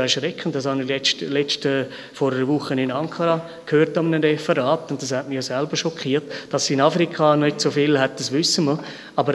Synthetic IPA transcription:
ɛɾʃɾɛkʰːən̩tdɑshɑnilɛtlɛt͡ʃtə | fɔɾəəʋʊχənɪnɑŋkʰɑɾɑ | kʰhøːɾtɑmənəɾɛfəɾɑːtʊnt̚d̥ɑshætmijosɛlbəʃɔkχiːətd̥ɑsɪnɑfɾikʰɑnnɪtsofɪlhɛt̚d̥ɑsʋʏsəmə | ɑbəɾ

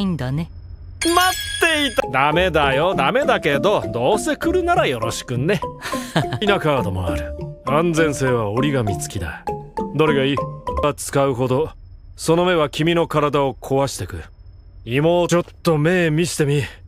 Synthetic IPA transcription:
ĩnd̪ane | mat̪ːe̞it̪ad̪ame̞d̪ajo̞d̪ame̞d̪ake̞d̪o̞d̪o̞ːse̞kɯ̟ɾɯ̟naɾajo̞ɾo̞ɕi̥kɯ̟ne̞ | inakaːd̪o̞mo̞̰aɾɯ̟ãnd͡zẽ̞ɰ̃se̞ːβao̞ɾʲiɡamʲit͡sɨ̥kʲid̪a̰d̪oɾeɡaiat͡sɨ̥kaɯ̟ɦo̞d̪o̞ | so̞no̞me̞β̞akʲimʲino̞kaɾad̪aokʰo̞βaɕi̥t̪e̞kɯ̟ | imoːt͡ɕo̞t̪ːo̞me̞ːmʲiɕi̥t̪e̞mʲi

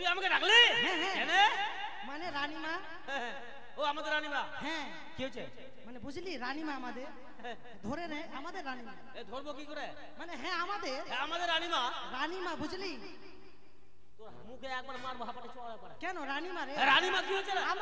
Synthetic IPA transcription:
ɾiamkʰeɾakʰliɦɛ̃ɦɛ̃ɛne | maneɾaːnimãː | ɦɛ̃ɦɛ̃ | oamad̪eɾaːnimãɦɛ̃ | kiɦot͡ʃʰe | mənebʊd͡ʒʱliːɾaːnimãːmãd̪e | ɛ̃ | d̪ʱoɾeɾɛẽamaːd̪eɾaːnimã | ed̪ʱoɾbokikɔɾe | məneɦɛ̃aːmãd̪eɦɛamaːd̪eɾaːnimã | ɾaːnimãbʊd͡ʒʱliː | t̪oɾɦə̰mũkʰeeːk̚bəɽmaːɾbəɦapəʈit͡ʃʰuaepəɾekɛnoɾaːnimãɾeɛ̃ɾaːnimãkiɦot͡ʃʰeam

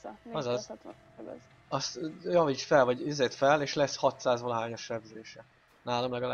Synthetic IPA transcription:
ɒzɒz | ɒst̪jɒviːt͡ʃfɛlvɒɟizeːt̪fɛleːʃlɛshɒt̪saːzvolɒɦaːɲoʃːɛbzeːʃɛ | naːlɒmlɛɡɒlaː

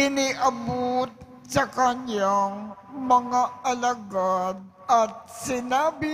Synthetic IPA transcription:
ɪniʔɐbot̪̚ | sɐkɐɲaŋ | mɐŋaʔɐlɐɡad̪̚ | ɐt̪̚sɪnaːbɪ

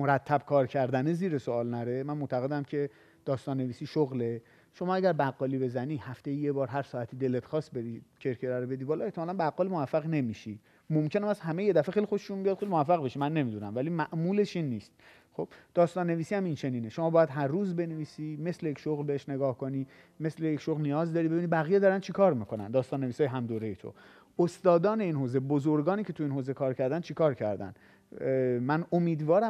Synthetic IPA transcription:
moɾæt̪ʰːæb̥kʰɒːɾcʰæɾd̪æneziːɾesoɒːlnæɾemænmot̪ʰæɣe̞d̪æmcʰe̞ | d̪̥ɒːst̪ɒːnːe̞viːsiːʃoɣle̞ | ʃomɒːæɟæɾbæɣːɒːlibe̞zæniːhæft̪ejijebɒːɾɦæɾsɒːæt̪ʰiːd̪e̞let̪xɒːsbe̞ɾiːcʰe̞ɾcʰeɾæɾobe̞d̪ibɒːle̞ht̪ʰemɒːlænbæɣːɒːlimovæfːæɣne̞miːʃi | momcʰe̞næmæshæmeje̞d̪æfexejlixoʃe̥ʃumbijɒd̪xejlimovæfːæɣbe̞ʃimænːe̞mid̪unæmvælimæʔmuːle̞ʃinːiːst̪̚ | xob̥d̪̥ɒːst̪ɒːnːe̞viːsiːhæmint͡ʃʰe̞niːneʃo̞mɒːbːjæd̪ɦæɾːuːzbe̞neviːsiːme̞slejecʃoɣlbeeʃne̞ɡɒːhkʰo̞niː | me̞slejecʃoɣlnijɒːzd̪ɒːɾibeinibæɣijed̪ɒːɾænt͡ʃʰekʰɒːɾmiːkʰo̞næ̰nd̪ɒːst̪ɒːnːe̞visɒːjeɦæmd̪oːɾejet̪ʰo̰ | ost̪ɒːd̪ɒːne̞inɦoːze̞bozoɾɡɒːniːcʰe̞t̪ʰuiːnɦoːzekʰɒːɾkcʰæɾd̪ænt͡ʃʰekʰɒːɾcʰæ̰ɾd̪æ̰n | mænomiːd̪vɒːɾæ

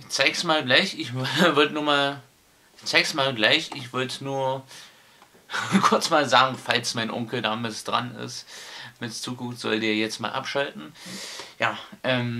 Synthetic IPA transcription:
t͡saɪksmaːlɡlaɪçɪçvʏɐdnuːɐmaːl | t͡saɪksmaːlɡlaɪçʔɪçv̥ʏɐtnuːɐ | kʰʊɐt͡smaːlzaːɡŋ̩falsmaɪnʔʊ̰ŋkl̩daːmɪtd̥ʁa̰nɪ̰stmɪtt͡suːkʊɱftz̥ɔ̰ldeːɐjɛt͡stmaːlʔa̰pʃaltn̩jaːʔɛːm

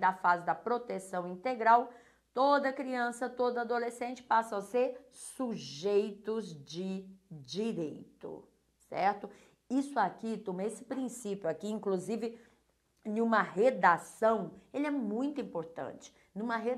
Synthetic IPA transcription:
d̪ɐfazɪd̪ɐpɾot̪esɐ̃w̃ĩnt̪eɡɾaw | t̪od̪ɐkɾiɐ̃sɐt̪od̪ɐad̪olesẽnt͡ʃɪ̥pasɐ̃ɐseɾ | suʒejt̪ʊzd͡ʒɪd͡ʒiɾejt̪ʊ̰ | sɛ̰ɾt̪ʊ | isʊakit̪õmɐesɪ̥pɾĩsipjʊakiĩkluzivɪ | nũmɐɦed̪asɐ̃w̃elɪɛmũj̃t̪ʊĩmpoɾt̪ɐ̰̃t͡ʃɪ̥ | nũmɐɦe

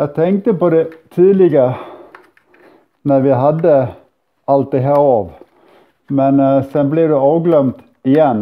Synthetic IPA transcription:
jæɪt̪ʰɛŋk̚t̪əpɔd̪ɛt̪ʰiːlɪɡəɾə | næɾʋɪɦɑd̪ːə | ɑlt̪̚d̪ɛɦæːɾɑːʋ | mɛnsɛnblɪdʉɑːʋɡlœmt̪ | ɪjɛnː

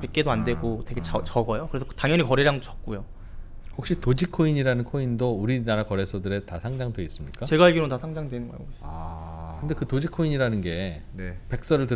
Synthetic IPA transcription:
pek͈̚e̞doandwe̞ɡote̞ɡe̞t͡ɕat͡ɕʌɡʌjokɯɾesʰʌtaŋjʌɲikʌɾeɾaŋdot͡ɕʌk̚k͈ujo | hok̚ɕ͈itod͡ʑikʰːoiɲiɾanɯnkʰoindouɾinaɾakʌɾe̞sʰʌdɯɾe̞tasʰaŋd͡ʑaŋdwe̞is͈ɯmɲik͈at͡ɕe̞ɡaeɭɡiɾontasʰaŋd͡ʑaŋdwe̞nɯnɡʌa̰s͈ | kɯnde̞kɯtod͡ʑikʰoiɲiɾanɯnɡe̞ | nepe̞k̚s͈ʌɾɯɭtɯ

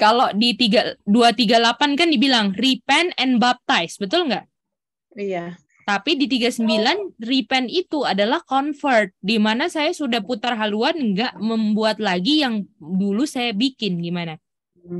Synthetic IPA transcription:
kalodit̪iɡaduat̪iɡalapankandibilaŋripɛnɛnbap̚t̪ajsbət̪ʊlŋɡaʔ | ija | t̪apidit̪iɡasəmbilanripɛnit̪uadalahkɔnfərt̪̚dimanasajasudahput̪arɦaluanŋɡaʔməmbuat̪̚laɡijaŋdulusajabikɪnɡimana

